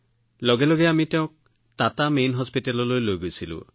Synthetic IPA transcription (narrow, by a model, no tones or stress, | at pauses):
lɔɡelɔɡeamit̪eõk̚ | t̪at̪amejnɦɔspiʈalɔlojloɡut͡ʃʰilṵ